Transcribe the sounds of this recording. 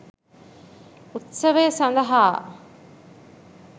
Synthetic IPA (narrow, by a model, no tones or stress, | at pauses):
ut̪sɐʋeːsɐnd̪ɐɦaː